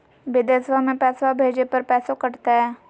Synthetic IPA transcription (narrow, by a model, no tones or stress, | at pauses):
bɪd̪esʋamẽpɛsʋabʱed͡ʒepəɾpɛːsokəɽt̪aɦɛ